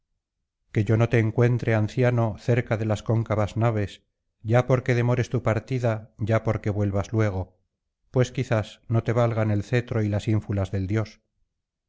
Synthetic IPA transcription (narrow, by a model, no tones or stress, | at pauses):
ke̞ʝo̞no̞t̪e̞ːŋkwe̞nt̪ɾeanθjano̞θe̞ɾkaðe̞lasko̞ŋkaβaznaβ̞e̞s | ɟ͡ʝapo̞ɾke̞ðe̞mo̞ɾe̞st̪upaɾt̪iðaɟ͡ʝapo̞ɾke̞βwe̞lβazlwe̞ɣ̞o̞ | pwe̞skiθasno̞t̪e̞β̞alɣ̞ane̞lθe̞t̪ɾo̞ilasiɱfulazðe̞ld̪jo̞s